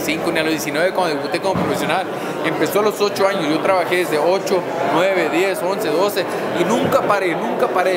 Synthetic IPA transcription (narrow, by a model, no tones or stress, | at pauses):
siŋkonialozðjes̬inweβekwand̪oeβut̪e̞komopɾofesjonal | empe̞so̞aloso̞t͡ʃoaɲosʝo̞t̪ɾaβaxeðezðeot͡ʃo | nwe̞β̞e̞ðje̞so̞nseðo̞se | inũŋkapaɾenũŋkapaɾe